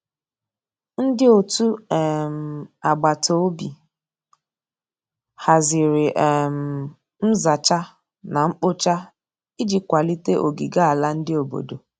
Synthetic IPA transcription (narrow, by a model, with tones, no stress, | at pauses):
n̩˦dɪ˦o˨tu˦ɛ˨m̩˨a˨ɡ͡ba˨to˨˦o˦bi˨ | ha˨zɪ˨ɾɪ˨ʔɛ˨m̩˨ | m̩˦za˨t͡ʃa˦ | na˨ŋ͡m̩˦k͡po˦t͡ʃa˦ | i˦d͡ʒi˨kʷa˨li˦te˦ʔo̰˨ɡi˨ɡa˦a˨la˦n̩˦dɪ˦o˨bo̰˨do˨